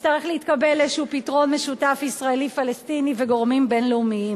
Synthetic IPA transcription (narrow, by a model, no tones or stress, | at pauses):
t̪aʁeχleitkabelezʃupitʁo̞nmeʃutafisʁaelifalestiniveɡo̞ʁmimbe̞nleumiim